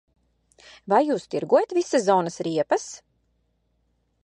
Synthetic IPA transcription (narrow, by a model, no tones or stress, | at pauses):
vajːuːst̪iɾɡuɔjat̪visazɔːnɐsɾiɛpɐs